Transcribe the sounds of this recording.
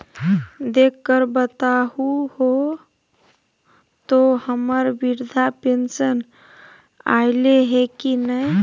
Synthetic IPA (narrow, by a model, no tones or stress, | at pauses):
d̪ekːəɾbət̪aɦuho | t̪ohəməɾbiɾd̪ʱapensən | a̰ɪleɦekinəj